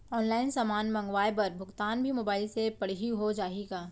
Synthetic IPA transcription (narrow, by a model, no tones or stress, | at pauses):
ɔːnlaːɪnsaːmaːnmɐ̃ŋɡʋaːepɐɾbʱʊɡt̪aːnbʱimoːbaːɪlsepɐɽ̤ɦiɦod͡ʒaːeɡaː